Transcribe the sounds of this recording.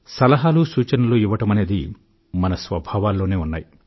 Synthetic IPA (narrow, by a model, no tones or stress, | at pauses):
sɐlɐɦaːlusuːt͡ʃɐnɐluːiʋɐʈɐmɐne̞ːd̪i | mɐnɐsʋɐbʱaːʋaːlːoːne̞ːunːaːji